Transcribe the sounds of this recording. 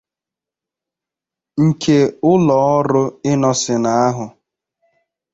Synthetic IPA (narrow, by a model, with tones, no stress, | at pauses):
ŋ̩˨kʰe˨ʊ˦lɔ˨˦ɔ˦ɾʊ˦ɪ˦nɔ˦sɪ˨na˨a˦ɦʊ˨